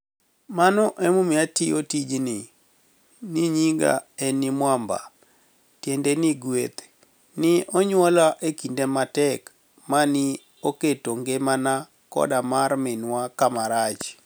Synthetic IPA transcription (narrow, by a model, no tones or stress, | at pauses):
manɔʔemumiatiotid͡ʒnɪ | niɲiŋɡa̰ɛnɪmwamba̰ | tjendenɪɡwḛt̪ | nɪɔɲwɔlaʔekindematɛk | manɪ | oketoŋɡemana | kɔ̰damarmɪnwakamaɾat͡ʃ